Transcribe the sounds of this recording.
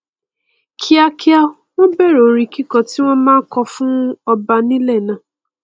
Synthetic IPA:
kʰi˦a˦ki˦a˦ | wɔ̃˦be˦˨ɾo˨ɾi˨ki˦kɔ˨ti˦w̃ɔ̃˦mãː˦kɔ˧fʊ̃˦ɔ˦ba˨nĩ˦le˦˨nã˨

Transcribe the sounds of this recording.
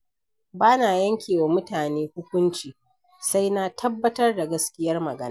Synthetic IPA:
baː˦naː˨jɐ˦ŋkʲeː˨wa˨mʊ˦taː˨neː˦hʊ˦kʷʊ˦nt͡ʃiː˨ | sa˦jna˦tʰɐ˦bːɐ˦tɐ˦rda˨ɡɐ˦skʲɪ˦jɐ˦rmɐ˨ɡɐ˦na˦

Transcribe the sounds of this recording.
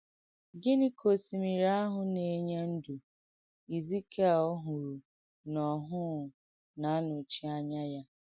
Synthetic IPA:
ɡe˦ni˦kʰo˨si˨mi˨ɾa˦ɦʊ˨ne˨˦ɲe˦n̩˦du˨ | i˨zi˦ke˦˨o˦ɦʊ˨ɾu˨ | nɔ˨ɦʊ˦˨ | na˨˦a˦nʊ˨t͡ʃi˦a˦ɲa˦ja˦

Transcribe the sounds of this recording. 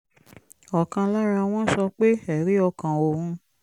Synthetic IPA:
ɔ˨kã˧la˦ɾa˧w̃ɔ̃˦sɔ˧k͡pe˦ɛ˨ɾi˦ɔ˧kã˨o˨hũ˧

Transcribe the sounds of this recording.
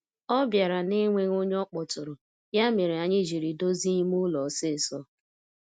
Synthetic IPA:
ɔ˦bja˨ɾa˨ne˦ŋʷe˦ŋo˦ɲ˦ɔ˦k͡pɔ˨tʊ˨ɾʊ˨ | ja˦me˨ɾe˨a˨ɲɪ˦d͡ʒi˨ɾi˨do˦zi˦ɲi˦mʊ˦lɔ˨sɪ˦˨sɔ˦

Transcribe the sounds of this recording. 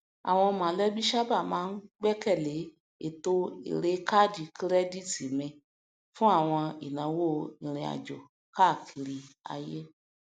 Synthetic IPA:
a̰˨w̃ɔ̃˧mã˨˦lɛ˦bi˦ʃa˦ba˦˨mãː˨˦n̩˦ɡ͡bɛ˦kɛ˦˨le˨˦ | e˨to˦ḭ˨ɾe˦ka˦˨di˨kɾɛ˦di˦˨ti˨mɛ̃˧ | fũ˦a˦˨w̃ɔ̃˧i˨nã˨wo˦ĩ˨ɾ̃ĩ˨a̰˨d͡ʒɔ˨ | ka˦˨kʰi˨ɾi˧a̰˧je˦

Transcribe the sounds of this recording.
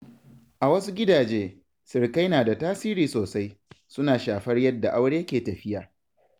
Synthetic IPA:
ʔa˨wɐ˦su˦ɡʲɪ˦daː˨d͡ʒeː˦ | sɪ˨rka˦jnaː˨da˨taː˦siː˦ɾiː˨soː˨sa˦jsʊ˦naː˨ʃaː˨ɸɐ˦rjɐ˦dːa˨ʔa˦wɽe˦jɐ˦kʲeː˨tɐ˨ɸɪ˦jaː˨

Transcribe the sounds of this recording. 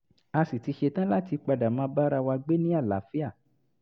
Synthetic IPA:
a˧si˨ti˧ʃe˧tã˦la˦ti˧k͡pa˧da˨mãː˨˦ba˦ɾa˧wa˧ɡ͡be˦nĩ˦a˦˨la̰˨˦fi˦a˦˨

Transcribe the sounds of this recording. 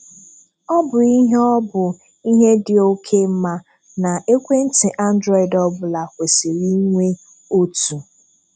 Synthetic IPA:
ɔ˦bʊ˨i˦ɦe˦ɔ˦bʊ˨ | i˦ɦe˦dɪ˨o˦kʰe˦m̩˦ma˦ | na˨e˦kʷe˦n̩˦tɪ˨ʔa˦n̩˦dɾɔ˦˨i˨dɔ˦bʊ˨la˨kʷe˨se˨ɾi˦ŋʷe˦ | o˦tu˨

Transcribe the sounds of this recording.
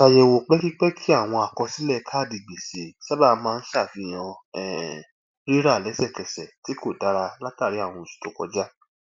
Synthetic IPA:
ka˨jɛ˨wo˨k͡pɛ˦ki˦k͡pɛ˦kʰi˦a˦˨w̃ɔ̃˧a˨kɔ̃˧si˨˦lɛ˦˨˧kʰaː˦˨di˨ɡ͡be˨se˨ʃa˦ba˦˨˦mãː˦˧n̩˦ʃa˦˨fi˨˦j̃ã˧ɛ˨ | ɾi˦ɾa˦˨lɛ˨˦sɛ˦˨kɛ˨sɛ˨ti˨˦ko˦˨da˨˦ɾa˧la˦ta˦˨ɾi˨˦a˦˨w̃ɔ̃˧˨ʃi̥˨to˨kɔ̰˧d͡ʒa˦

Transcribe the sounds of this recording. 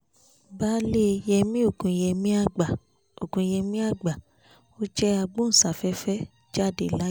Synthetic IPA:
baː˦le˦˧jɛ˧mĩ˦o˦˨kũ˨jɛ˧mĩ˦a˦˨ɡ͡ba˨ | o˨kũ˨jɛ˧mĩ˦a˦˨ɡ͡ba˨ | o˦d͡ʒɛ˦a˧ɡ͡bõ˦n̩˨sa˨fɛ˦fɛ˦ | d͡ʒa˦˨de˨la˨˦

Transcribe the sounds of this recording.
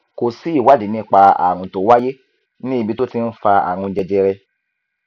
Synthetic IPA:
ko˨si˦i˦˨wa˦˨di˨˦nĩ˦k͡pa˧a̰˨wũ˧to˨˦wa˦je˦ | nĩ˦i˧bi˧˦to˦ti˧n̩˦fa˧a̰˨wũ˧d͡ʒɛ˧d͡ʒɛ˧ɾɛ˧

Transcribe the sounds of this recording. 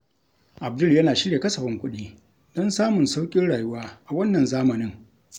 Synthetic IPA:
ʔa˨b̚dʊ˦ljɐ˦naː˨ʃɪ˦ɽje˨kɐ˦sɐ˨ɸɪ˦ŋkʷʊ˦ɗiː˦ | d̥ɔ˦nsaː˦mʊ˨nsa˦wkʲʼɪ˦ɽaː˨jʊ˦waː˦ʔa˨wɐ˦nːɐ˨nzaː˦mɐ˨nɪ˦ŋ

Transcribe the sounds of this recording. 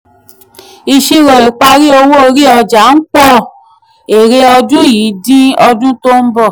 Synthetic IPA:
i˧ʃi˧ɾɔ˨i˨k͡pa˧ɾi˦o˧wo˦o˧ɾi˦ɔ˧˨d͡ʒa˨˦n̩˦k͡pɔ˦˨ | e˨ɾe˧˦ɔ˧d͡ʒũ˦jiː˨˦dĩ˦ɔ˧d͡ʒũ˦to˦m̩˦bɔ˦˨

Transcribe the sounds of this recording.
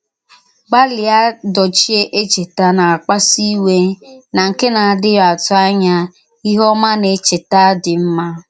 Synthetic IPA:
ɡ͡ba˦lɪ˨a˦dɔ˨t͡ʃi˦e˦ʔe˦t͡ʃe˨ta˦na˨a˨k͡pa˦si˦we˦na˨ŋ̩˨kɪ˦na˨a˨dɪ˦ja˨tʊ˦a˦ɲa˦ | i˦ɦɔ˦ma˦ne˨t͡ʃe˨ta˦dɪ˨m̩˦ma˦

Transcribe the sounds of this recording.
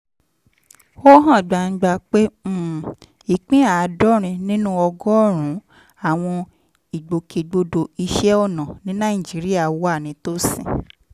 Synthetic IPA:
o˦ɦã˦˨ɡ͡ba˨n̩˦ɡ͡ba˧˨k͡pe˦˨ | i˨k͡pĩ˦a˨˧dɔ˦ɾ̃ĩ˧nĩ˦nũ˦ɔ˧ɡɔ˦˨ɾ̃ũ˨˦ | a˦˨w̃ɔ̃˧ | i˨ɡ͡bo˨ke˨ɡ͡bo˧do˧i˧ʃɛ˦ɔ˦˨nã˨nĩ˦nã˦i˨d͡ʒi˨˦ɾi˦a˦˨wo˦a˦˨nĩ˨˦to˦sḭ̃˨

